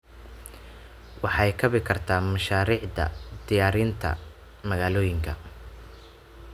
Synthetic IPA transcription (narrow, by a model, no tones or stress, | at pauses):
wɑħɑjkʰɐβɪkʰɐrt̪ʰaːmɐʃaːɾiːʕd̪ɐ̰d̪̥ɪjaːɾiːnt̪ʰɐ̰ | mɐɣaːlɔːjɪŋkʰɐ